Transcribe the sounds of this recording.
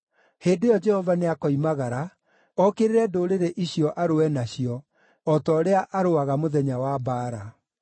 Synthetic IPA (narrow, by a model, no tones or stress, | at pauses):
heːdojɔd͡ʒɛhɔvaneakɔimaɣaɾa | ɔkeɾeɾɛdoːɾeɾeʔiɕiɔʔaɾoɛnaɕjɔ | ɔtɔːɾeaʔaɾoaɣamoðɛɲawabaːɾa